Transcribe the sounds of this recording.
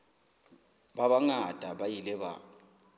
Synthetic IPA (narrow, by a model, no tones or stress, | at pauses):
baβaŋad̥ʼʱabajilɛβa̰